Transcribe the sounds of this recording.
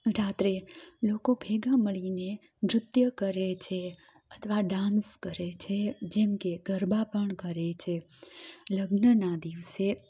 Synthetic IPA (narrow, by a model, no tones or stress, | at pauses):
ɾat̪ɾelokobʱeɡaməɭine | mɾʊt̪jəkəɾet͡ʃʰe | ət̪ʰʋaɖãnskəɾet͡ʃʰed͡ʒɛmkeɡ̥ʱəɾbapəɳkəɾet͡ʃʰe | ləɡnənad̪iʋse